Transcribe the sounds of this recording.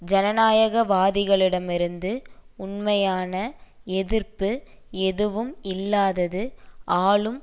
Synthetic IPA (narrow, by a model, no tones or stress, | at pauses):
d͡ʒɐnɐnaːjɐɣɐʋaːðɪɣɐɭɪɽɐmɪɾɯnd̪ɯʊɳmɐjaːnɐɛðɪrpɯ | ɛðɯʋɯmɪlːaːðɐðɯʔaːɭɯm